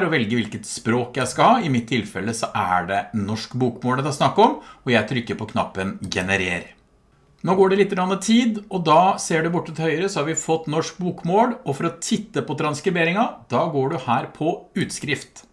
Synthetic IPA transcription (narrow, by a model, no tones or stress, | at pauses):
ɾɔʋɛlɡəʋɪlkət̪spɾoːkjæɪskɑhɑːɪmɪt̪ʰːɪlfɛlːəsɔʔæ̰ɖɛnɔʂkbuːkmoːlət̪ɑsnɑkːɔmɔjæɪt̪ʰɾʏkːəpɔkʰnɑ̰pːənɡɛnəɾḛːɾ | noːɡoːɖɛlɪt̪ːəɾɑnːət̪ʰiːd̪ɔd̪ɑseːɖɛbʊʈːət̪ɪhœʏɾəsɔhɑɾʋɪfɔt̪ːnɔʂk̚buːkmoːlɔfɔɾɔt̪ʰɪt̪ːəpɔt̪ʰɾɑnskɾɪbeːɾɪŋɑd̪̥ɑːɡoːɖʉhæːɾpʰɔʉːt̪skɾɪft̪